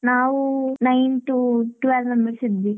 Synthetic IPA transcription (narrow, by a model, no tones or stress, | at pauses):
naːʋunɐjnʈuʈuʋelnɐmiɭsid̪ːi